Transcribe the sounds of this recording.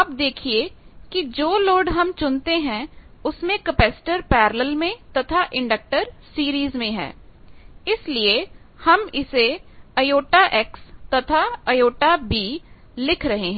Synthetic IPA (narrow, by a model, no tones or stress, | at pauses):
ɐp̚d̪eːkʰiekid͡ʒoːloːɖɦɐmt͡ʃʊnt̪eɦɛ̃ | ʊsmẽkɐpɛːsɪ̥ʈəɾpɛːɾələlmẽt̪ɐt̪ʰaʔɪ̃ɳɖək̚ʈəɾsiːɾiːzmẽɦɛ̰̃ː | ɪslie | hɐmɪseɐjoːʈaʔɛːkst̪ɐt̪ʰaɐjoːʈabiː | lɪkʰɾɐɦeɦɛ̃